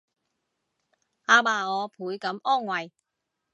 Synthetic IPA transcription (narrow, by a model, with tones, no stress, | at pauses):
aː˧baː˨ɔː˨˧pʰuː˨˥jkɐ˨˥mɔː˥˩ŋwɐ˨˩j